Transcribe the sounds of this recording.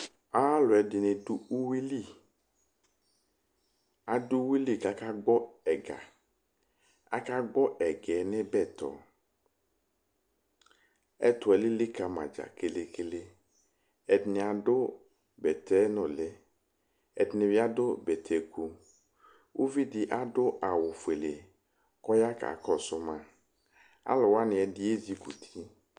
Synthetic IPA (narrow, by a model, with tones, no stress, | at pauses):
aː˦lʊ˨ɛ˨dɪ˨nɪ˨du˦u˦wi˦li˦˨ | a˨dʊ˦wi˦li˦˨ka˨ka˦ɡ͡bɔ˦ɛ˨ɡa̰˨ | a̰˦ka˦ɡ͡bɔ˦ʔɛ˨ɡɛ˨nɪ˦bɛ˦˨tɔ̰˨ | ɛ̰˦t̪ʊ˨ɛ˨lɪ˦lɪ˦ka˨ma̰˨d͡ʒa̰˨kɪ˦lɪ˦kɪ˦lɪ˦ | ɛ˨dnɪ˨a˨dʊ˦ | bɛ˨t̪ʰɛ˦nʊ̃˨lɪ˦ | ɛ˨dɪ˨nɪ˨vɪ˦a˦dʊ˦bɛ˨t̪ʰɛ˨˦ku˦ | wʔu˦vi˦dɪ˦ʔa˦dʊ˦ʔa˨wʊ˨fe˨le˨ | kɔ˦ja˦ka̰˨kɔ˦sʊ˦mã˨ | a̰˦lɔ˨wa˦nɪ̃˨ɛ˨dɪ˦e˦zi˨ɡu˨t̪ʰi˦